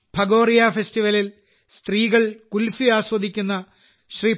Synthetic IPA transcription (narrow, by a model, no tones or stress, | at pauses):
bʱɐɡo̞ːrijafestiʋɐlil | st̪riːɣɐɭkulfiaːɕwɐd̪ʱikʲːunːɐ | ɕri